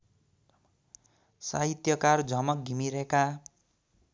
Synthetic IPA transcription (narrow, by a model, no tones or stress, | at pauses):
saɦit̪jʌkard͡zʱʌmʌk̚ɡʱimiɾeka